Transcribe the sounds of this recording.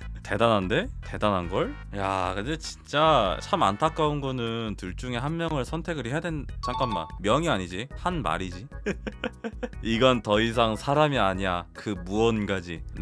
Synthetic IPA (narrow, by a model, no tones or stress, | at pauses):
te̞danɦande̞te̞danɦanɡʌɭ | ja̰kɯndet͡ɕint͡ɕ͈at͡ɕʰama̰ntʰak͈aunɡʌnɯntɯɭt͡ɕ͈uŋe̞ɦanmjʌŋɯɭsʰʌntʰe̞ɡɯɾɦejadwe̞nt͡ɕaŋk͈anma̰nmjʌŋiaɲid͡ʑihanma̰ɾid͡ʑi | iɡʌntʌis̬ʰaŋsʰaɾamiaɲiakɯmuʌnɡad͡ʑi